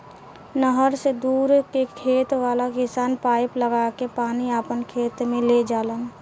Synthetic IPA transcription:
nəɦəɾsed̪uːɾkekʰeːt̪ʋaːlakɪsaːnpaːɪpləɡakepaːniapənkʰeːt̪mẽled͡ʒaːlən

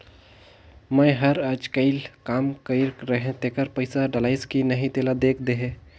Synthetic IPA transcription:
mə̃ɦɐɾəd͡ʒkəɪlkaːmkəɪɾɾəɦẽt̪ẽkəɾpəɪsaɖəlaːɪskinɐɦĩt̪eːlad̪eːkʰd̪eɦẽː

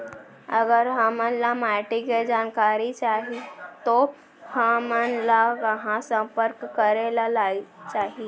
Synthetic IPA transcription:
əɡəɾɦəmənlamaʈiked͡ʒaːnkaɾit͡ʃaɦit̪o | həmənlakəɦãsə̃mpəɾkːəɾelalat͡ʃaɦi

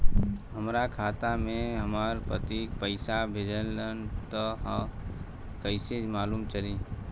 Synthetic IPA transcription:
ɦəmɾakʰaːt̪amẽɦəmaːɾpə̰t̪ipəɪsabʱed͡ʒəlːənt̪ɔɦə | kəɪsed͡ʒmaːluːmt͡ʃəɾi

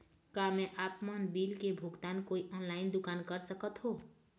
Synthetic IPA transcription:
kameʔapmənbilkebʱuɡt̪ankoiʔɔnlaɪnd̪ʊkankəɾsəkət̪ɦo

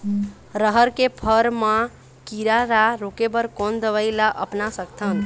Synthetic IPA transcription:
ɾəɦəɾkepʰəɾmã | kiɾaɾaɾokebəɾkond̪əβəɪlaʔəpnasəkt̪ʰən

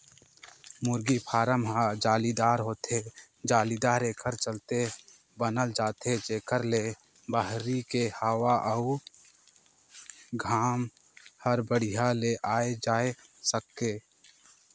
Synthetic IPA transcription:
mʊɾɡipʰaːɾəmɦad͡ʒaːlid̪aːɾɦot̪e | d͡ʒaːlid̪aːɾeːkʰəɾt͡ʃəlt̪e | bənəld͡ʒaːt̪ed͡ʒeːkʰəɾle | baɦɾikehəwaʔəu | ɡʱaːm | həɾbəɽ̤iɦaleʔaːed͡ʒaːesəkːeː

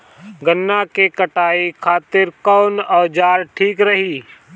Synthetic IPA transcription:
ɡənːakekɐʈaːikʰaːt̪ɪɾkɔːnɔːd͡ʒaːɾʈʰiːkɾɐɦiː

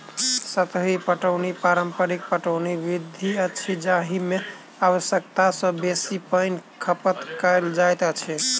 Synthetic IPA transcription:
sət̪ɦipəʈəwnipaɾəmpəɾik̚pəʈəʊniʋid̪ʱiət͡ʃʰid͡ʒaɦime | awəsjəkt̪asə̃besipəɪnkʰəpət̪kəeld͡ʒajt̪ət͡ʃʰi

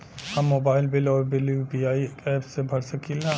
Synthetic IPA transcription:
hɐmːoːbaːɪlbɪlɔːɾbɪlubiaːiɛːpsebʱɐɽsəkilã

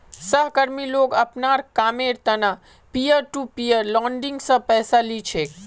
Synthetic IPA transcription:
səɦkɐɾmiloːɡɐpnaːɾkaːmeːɾt̪ɐna | pijəɾʈupiːəɾlɔ̃ːɳɖɪ̃ŋɡsɐ̃pɛːsalit͡ʃʰeː

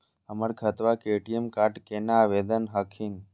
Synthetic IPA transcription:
əməɽkʰət̪ʋakeʈiemkaʈkenaʋed̪ənɦəkʰin

